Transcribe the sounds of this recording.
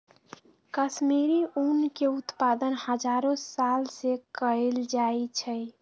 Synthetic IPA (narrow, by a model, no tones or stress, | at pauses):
kəsmiɾiunkeut̪pad̪ənhəd͡ʒaɾõsalsekəeld͡ʒajt͡ʃʰəj